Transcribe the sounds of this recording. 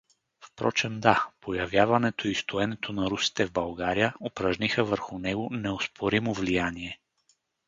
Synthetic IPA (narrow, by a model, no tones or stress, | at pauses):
fpɾɔt͡ʃɛmd̪apojɐvjavɐnɛt̪oist̪ʊɛnɛt̪ʰonɐɾusi̥t̪ɛvbɐlˠɡaɾijəopɾɐʒnixəvəɾxʊnɛɡonɛospʰoɾimovlijaniɛ